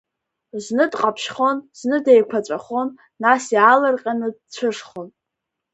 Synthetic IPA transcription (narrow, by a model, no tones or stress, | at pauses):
znɨdqʼapʰʃχo̞nz̥nɨdejkʷʰat͡ɕʷʼaχo̞nː | asjalɨrqʲʼanɨdt͡ɕʷʰɨʂχon